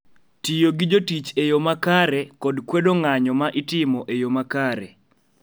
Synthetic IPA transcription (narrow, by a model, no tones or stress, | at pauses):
tijoɡid͡ʒotit͡ʃejomakaɾɛkɔdkwedoŋaɲɔmaʔɪtɪmɔʔejomakaɾɛ̰